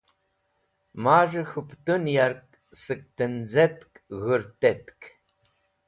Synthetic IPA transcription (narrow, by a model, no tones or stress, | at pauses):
maːʒɨxɨpʰtʼɨnjarkʼ | sɨk̚ʼtʰɨnd͡zɐtkʼɣɨrtʰʼɐtkʰ